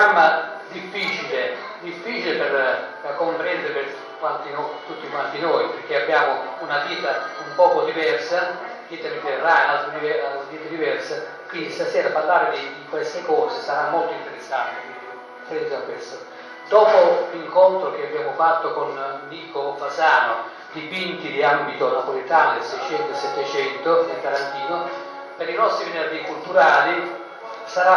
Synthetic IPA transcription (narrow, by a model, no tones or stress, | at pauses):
amːa | d̪ifːit͡ʃile | d̪ifːiːt͡ʃilepɛrakːompɾɛnd̪ɪɾepɪr | kwant̪inot̪ut̪ːikwant̪inɔjpeɾk̟eabːjaːmounat̪iːt̪aumpɔːkod̪ivɛrsa | t̪iːt̪avit̪enranalt̪ɾd̪ivɛalt̪iːt̪ad̪ivɛrsa | kind̪isasɛːɾaparlaːɾɪd̪id̪ikwɛst̪ekɔːsɪsaɾamːɔlt̪oint̪eɾesːant̪e | fɛd̪d̪akːwest̪a | d̪̥ɔːpoliŋkɔnt̪ɾokeabjaːmʊfat̪ːokonː | iːkofazaːno | d̪ipint̪id̪iambit̪onapolit̪aːnod̪esɛjt͡ʃɛnt̪oesːɛt̪ːet͡ʃɛnt̪oet̪aɾant̪iːno | peɾinɔst̪ɾiminerd͡ʒiːkult̪uɾaːli | saɾa